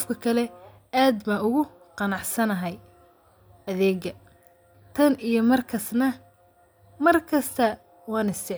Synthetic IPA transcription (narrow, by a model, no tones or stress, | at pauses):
fkʰɐkʰɐlɛ | aːd̪baʊɣʊ | qɑnɑʕsɐnɐɦɛj | ɐðɛːɡɐ | t̪ʰɐnijɞmɐrkʰɐsnɐ | mɐrkʰɐst̪ʰɐ | wɑːnɪst̪ɪ